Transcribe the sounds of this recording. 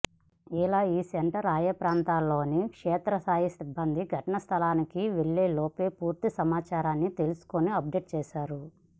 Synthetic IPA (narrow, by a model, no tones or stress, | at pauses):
ilaːiːseɳʈɐɾaːjɐpɾaːnt̪aːlːo̞ːnikʂɛːt̪ɾɐsaːjisibʱːɐnd̪iɡʱɐʈɐnɐst̪ʰɐlaːnikiʋeɭːeːloːpeːpuːɾt̪isɐmaːt͡ʃaːɾaːnːit̪e̞lusu̥koniɐp̚ɖeːʈ̚t͡ʃɛːʃaːɾu